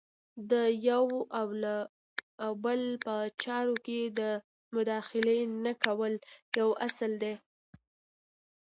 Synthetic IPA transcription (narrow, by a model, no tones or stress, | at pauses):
d̪əjawawla | bəlpət͡ʃɑɾoked̪ə | mʊd̪ɑxɪlenakawəljawasəld̪e